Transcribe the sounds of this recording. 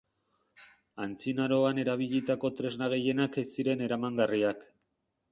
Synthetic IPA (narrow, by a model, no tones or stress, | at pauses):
ant͡sinaɾo̞ane̞ɾaβ̞iʎit̪ako̞t̪ɾe̞znaɣe̞je̞nakesiɾe̞ne̞ɾamaŋɡariak